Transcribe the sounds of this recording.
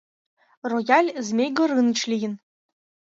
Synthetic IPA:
rojɑlʲzmʲejɡɤ̆ɾɯnə̆t͡ɕlʲijɘ̆n

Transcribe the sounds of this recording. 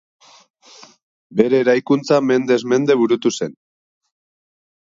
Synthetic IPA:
be̞ɾe̞ːɾajkunt͡same̞nd̪e̞zme̞nd̪e̞βuɾut̪use̞n

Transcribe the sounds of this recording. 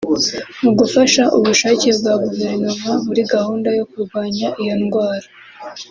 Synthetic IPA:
muɡufaʃaʔuβuʃaːcebɡwaɡuve̞ɾnomaβuɾiɡahuːndajo̞kuɾɡwaːɲaʔijo̞nɡwaːɾḁ

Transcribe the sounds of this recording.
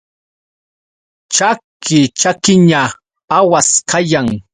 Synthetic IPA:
t͡ʃakɪt͡ʃakɪɲa | awaskʰajaŋ

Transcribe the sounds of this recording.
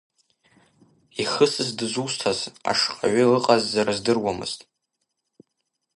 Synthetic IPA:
iχəsɨzdɨzustʰaza̰ʂqʼa̰ʕʷʏlɨqʼazːaɾazdɨrwamɨ̰z̥tʼ

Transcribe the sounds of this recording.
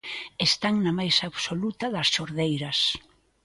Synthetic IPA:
est̪aŋnɐmajsaːβsolut̪ɐðɐsʃoɾðejɾɐs

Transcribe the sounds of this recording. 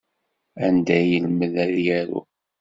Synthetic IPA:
ænd̪æjəlməðæðjæɾṵ

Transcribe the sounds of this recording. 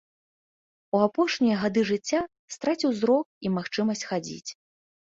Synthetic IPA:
uapɔʂnʲijɐɣad̪ɨʐɨt͡sʲːa | st̪ɾat͡sʲiwzɾɔk̚imaxt͡ʂɨmɐsʲt͡sʲxad͡zʲḭt͡sʲ

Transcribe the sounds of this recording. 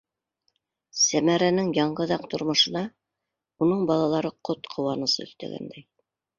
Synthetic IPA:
sæmæɾænɘŋjɑɴɢɤðɑqt̪ŏɾmɤ̆ʃɤ̆nɑ | unɤɴbɑlˠɑlˠɑɾɤqʰot̪qʰŏwɑnɤ̆sɤ̰ɵ̰̆θt̪æ̰ɡæ̰nd̪æj

